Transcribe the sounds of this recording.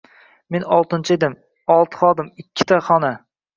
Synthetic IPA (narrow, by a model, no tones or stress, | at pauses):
menɒlˠt̪ɪnt͡ʃʰɪed̪ɪm | ɒlˠt̪ʰɨ̥χɒd̪ɪmɪkʲʰːɪ̥t̪ʰaχɒna